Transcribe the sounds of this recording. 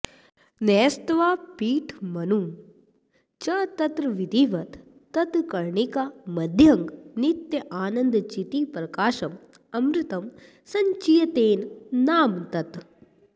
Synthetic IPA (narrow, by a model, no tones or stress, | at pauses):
neːst̪ʋaːpiːʈʰmɐnum | t͡ʃɐt̪ɐt̪ɾɐʋid̪iːʋɐt̪ː | ɐt̪kɐɾɳikamɐd̪ʱjɐŋɡnit̪jɐʔaːnɐnd̪t͡ʃit̪iːpɾɐkaːʃɐm | ɐmɾɪt̪ɐm | sɐɲt͡ʃijɐt̪eːnnaːmt̪ɐt̪